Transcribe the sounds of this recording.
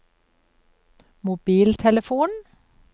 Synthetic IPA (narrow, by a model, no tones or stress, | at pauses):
mʊbiːlt̪ʰɛləfuːn